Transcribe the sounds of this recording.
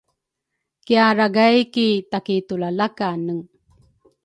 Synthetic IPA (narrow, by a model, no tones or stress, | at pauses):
kiaɾaɡajkit̪akit̪ulalakanəŋ